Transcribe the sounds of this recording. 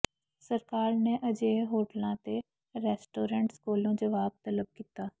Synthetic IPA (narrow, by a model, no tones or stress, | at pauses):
səɾkaːɾneːʔəd͡ʒeːɦoːʈəlãːt̪e | ɾɛːsʈoːɾə̃ɳʈskoːlõːd͡ʒəʋaːb̚t̪ələb̚kiːt̪aː